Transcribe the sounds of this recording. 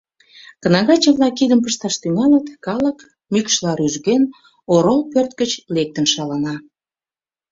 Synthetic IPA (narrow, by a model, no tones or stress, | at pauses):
kənɑɣɑt͡ɕəβlɑkid̪əmpəʃt̪ɑʃt̪yŋɑlət̪kɑlək | mykʃlɑɾyʒɣen | oɾolpørt̪̚kət͡ɕlek̚t̪ənʃɑlɑnɑ